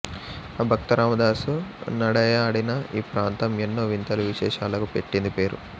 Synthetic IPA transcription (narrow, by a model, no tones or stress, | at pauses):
ɐbʱɐkt̪ɐɾaːmɐd̪aːsunɐɽɐjɐːɽinɐiːpɾaːnt̪ɐmenːoːʋint̪ɐluʋiʃɛːʂaːlɐkupe̞ʈːind̪ipe̞ːɾṵ